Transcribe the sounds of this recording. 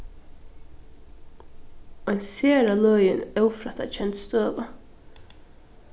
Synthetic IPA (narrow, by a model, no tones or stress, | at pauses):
ɔjnseːɾalœjɪnœwfɾat̪at͡ʃʰɛnt̪st̪øːʋa